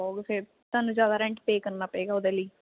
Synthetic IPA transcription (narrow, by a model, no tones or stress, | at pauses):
ɔːɡse | t̪oaːnũːd͡ʒjaːd̪aːɾɛ̃ɳʈpeːkəɾnaːpəɛːɡaːʊd̪eːliː